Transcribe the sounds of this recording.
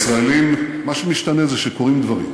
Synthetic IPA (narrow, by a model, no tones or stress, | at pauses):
sʁaelimmaʃemiʃt̪anezeʃeko̞ʁimd̪vaʁḭm